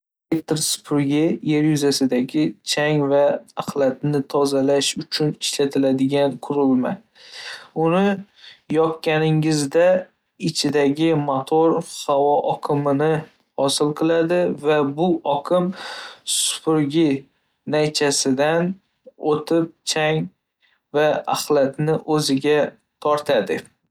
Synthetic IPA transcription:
elekt̪ɪɾsʊ̥pʰʊɾɡʲɪje̞ɾjʊzasɪd̪aɡʲɪt͡ʃʰaŋvaːqlˠat̪̚nɪt̪ʰɒzalaʃʊt͡ʃʰʊnɪʃlat̪ʰɪlad̪ɪɡʲanqʰʊɾɪlma̰ | ʊnɪ | jɒp̚kʲanɪŋɪzd̪a | ɪt͡ʃʰɪd̪aɡʲɪmat̪ʰoɾhavɒʔɒkʰɨmɪnɪ | hɒsɪlˠqʰɨlˠad̪ɪvabʊɒkʰɪmsʊ̥pʰʊɾɡʲɪ | najt͡ʃʰasɪd̪an | ot̪ʰɪp̚t͡ʃʰaŋ | vaa̰χlat̪nɪʔɵzɪɡʲa | t̪ʰɒɾt̪ʰad̪ɪ

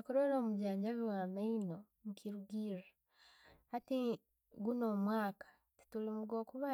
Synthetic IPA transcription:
kuɾoɾoːmuɟaːɲɟaβiwaːmaino | mukʰiɾuɡiːɾa | hati | ɡuno̞ːmwaːkḁ | ti̥tulimuɡo̞ːkuβa

